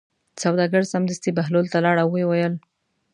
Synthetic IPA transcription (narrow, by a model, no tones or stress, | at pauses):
sawd̪ɑɡəɽsamd̪əst̪ibaɦlolt̪alɑɽawewajəl